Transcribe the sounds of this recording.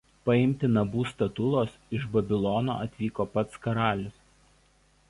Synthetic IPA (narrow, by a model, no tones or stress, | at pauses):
pɐɪmʲt̪ʲɪnɐbuːst̪ɐt̪ʊlˠoːsɪʒbɐbʲɪlˠɔno̰ːʔɐt̪ʲʋʲiːkoːpɐt̪skɐɾɑːlʲɪs